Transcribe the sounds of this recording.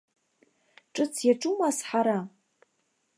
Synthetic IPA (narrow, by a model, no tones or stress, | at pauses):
ʈ͡ʂʼɨt͡sʰjaʈ͡ʂʼumasħaɾa